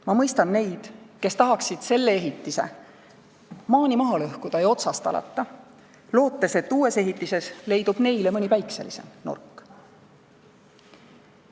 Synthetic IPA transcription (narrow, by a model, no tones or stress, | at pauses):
mɑmɤjst̪ɑnːe̞jd̪̥ke̞st̪ɑɦɑksid̪̥se̞lːeeɦit̪ːise̞̰ | mɑːnʲimɑɦɑlɤhkud̪̥ɑjo̞t̪sɑst̪ɑ̰lɑ̰t̪ˑːɑ | lo̞ːt̪ːˑe̞se̞t̪ːuːe̞se̞ɦit̪ːˑise̞sle̞jd̪̥ub̥ne̞jlemɤnʲipæjksḛlḭse̞̰mnṵrkːˑ